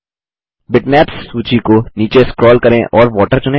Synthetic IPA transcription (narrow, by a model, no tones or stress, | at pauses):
bɪʈmɛːpsːuːt͡ʃikoniːt͡ʃeskɾɔːlkɐɾẽʔɔːɾʋɔːʈəɾt͡ʃʊnẽ